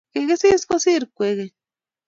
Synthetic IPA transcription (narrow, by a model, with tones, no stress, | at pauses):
keɡe˦si˦skosi˦ɾkʷe˨ɣe˨